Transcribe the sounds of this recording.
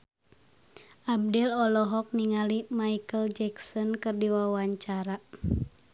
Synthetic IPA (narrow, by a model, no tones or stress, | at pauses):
ʔab̚dɛlɔlɔɦɔk̚niŋalimaikəld͡ʒɛksɔnkɨrdiwawaɲt͡ʃaɾa